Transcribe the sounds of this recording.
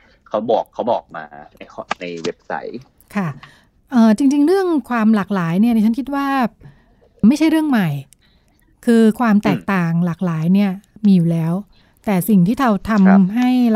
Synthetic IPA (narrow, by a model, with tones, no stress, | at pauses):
kʰa˦˥wbɔː˨˩kʰːa˦˥wbɔː˨˩k̚ma̰ː˧na˧jʰɔ˦na˧jwe˦˥p̚sa̰˦˥j | kʰa˥˩ | ʔɤː˨˩t͡ɕi˧ŋt͡ɕi˧ŋɾɯ˥˩əŋkʰwaː˧mlaː˨˩k̚laː˩˦jni˥˩i˥˩t͡ɕa˦˥nkʰt̪̚waː˥˩ | ma˥˩jt͡ɕʰa˥˩jɾɯ˥˩əŋma˨˩j | kʰɯː˧kʰwaː˧mt̪ɛː˨˩k̚t̪aː˨˩ŋlaː˨˩k̚laː˩˦jni˥˩ɐmiː˧juː˨˩lɛː˦˥w | t̪ɛː˨˩si˨˩ŋt̪ʰiː˥˩t̪ʰa˧wt̪ʰa˧m˧ɦa˥˩j